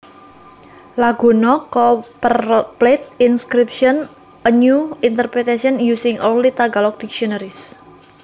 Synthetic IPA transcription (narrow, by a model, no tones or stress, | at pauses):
laɡ̥ṳnɔkɔpplɛt̪̚inskɾip̚ʃɔn | əɲjuint̪ərpɾɛt̪asiɔnjusɪŋʔonlit̪aɡalɔk̚d̥ikʃiɔnəɾis